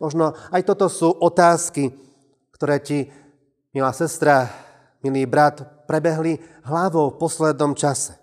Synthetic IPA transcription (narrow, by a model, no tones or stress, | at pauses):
mɔʒnɔajt̪ɔt̪ɔsuːʔɔt̪aːski | kt̪ɔɾɛːci | milasɛst̪ɾa | miliːbɾat̪pɾɛbɛɦli | ɦlaʋɔʊfpɔslɛd̪nɔmt͡ʃasɛ̥